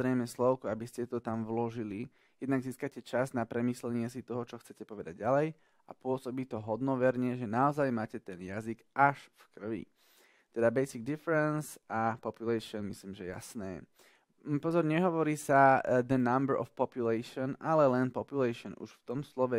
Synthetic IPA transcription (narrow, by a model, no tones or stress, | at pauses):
ɾɛjmɛslɔʊkuabiscɛt̪ɔt̪amvlɔʒili | jɛd̪naɡziːskacɛt͡ʃaznapɾɛmiːslɛɲɪɛsit̪ɔɦɔt͡ʃɔxt͡sɛcɛpɔʋɛd̪aɟɟalɛj | apʊɔsɔbiːt̪ɔɦɔd̪nɔʋɛɾɲɛʒɛnaɔzajmaːcɛt̪ɛnjaziɡaʃfkr̩ʋḭ | t̪ɛd̪abɛjsiɡ̚d̪ifɛɾɛnsʔapɔpjulɛʃɪɔnmisliːmʒɛja̰snɛ̰ː | pɔzɔɾɲɛɦɔʋɔɾiːsad̪ənambəɾʔɔ̰fpɔpjulɛɪʃɔnalɛlɛnpɔpjulɛʃɔnṵʃft̪ɔmslɔʋɛ